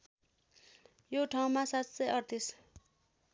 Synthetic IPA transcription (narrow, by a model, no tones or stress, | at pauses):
joʈʰaw̃masat̪sʌjʌrt̪is